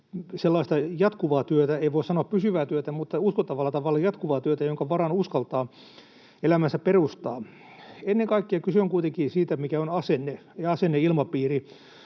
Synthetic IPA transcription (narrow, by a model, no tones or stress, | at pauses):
selːɑist̪ɑjɑt̪kuʋɑːt̪yøt̪æeiʋoisɑnoɑppysyʋæːt̪yøt̪æmut̪ːɑuskot̪ːɑʋɑlːɑt̪ɑʋɑlːɑjɑt̪kuʋɑːt̪yøt̪æjoŋkɑʋɑrɑnuskɑlt̪ɑː | elæmænsæpperust̪ɑː | enːeŋkɑikːiɑkysøŋkuit̪eŋkiːsiːt̪æmikæonɑsenːejɑɑsenːeilmɑpiːri